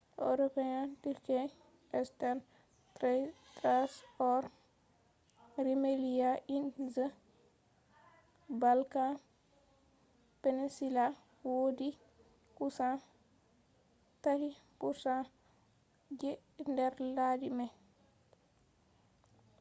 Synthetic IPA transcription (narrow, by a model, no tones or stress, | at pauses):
ʔo̰ɾɔpɛɲandiɾkɛ | ɛstan | tɾɛtɾaspɔɾ | ɾimelijaʔinzə | balkan | penisila | wodi | kusã | tahikusa | d͡ʒɛ | ndɛɾladimɛ